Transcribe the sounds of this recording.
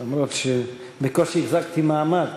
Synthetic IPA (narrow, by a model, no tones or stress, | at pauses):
amɾot̪ʃe | bekoʃeiχzakt̪imaːmad